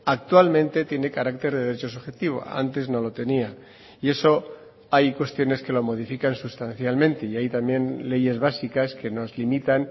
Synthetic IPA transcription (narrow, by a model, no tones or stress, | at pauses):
ak̚t̪walmẽ̞nt̪e̞t̪je̞ne̞kaɾakt̪e̞ɾðeɾet͡ʃo̞suxe̞t̪iβ̞o̞̰a̰nt̪e̞zno̞lo̞t̪e̞nia | ie̞so̞ | ajkwe̞st̪jo̞ne̞ske̞lo̞mo̞ð̞ifikansust̪anθjalmẽ̞nt̪e̞iajt̪ambje̞nle̞ʝe̞zβasikaske̞no̞zlimit̪an